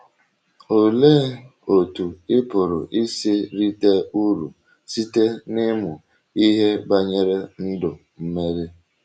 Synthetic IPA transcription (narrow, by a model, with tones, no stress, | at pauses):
o˨le˦o˨tu˨ɪ˦pʊ˨ɾʊ̰˨ʔi˦si˦ɾi˦te˦u˦ɾu˨ | si˦te˦nɪ˦mʊ˨ | i˦ɦe˦ba˦ɲe˦ɾe˦n̩˦dʊ˨ | m̩˦me˦ɾɪ˦